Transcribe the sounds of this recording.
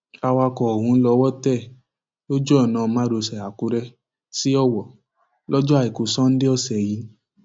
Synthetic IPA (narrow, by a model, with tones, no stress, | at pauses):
a˧wa˧kɔ˨hũ˨˧˦lɔ˧˦wɔ˦tɛ˦˨ | o˦d͡ʒɔ˦ɔ˦˨nãː˨˧mã˨˦ɾo˧sɛ˨a˨ku˧˦ɾɛ˦ | si˦ɔ˦wɔ˨ | lɔ˦d͡ʒɔ˦a˦˧˨i˨ku˨˦sɔ̃˦n̩˦de˦ɔ˦˨sɛ˨ji˧˦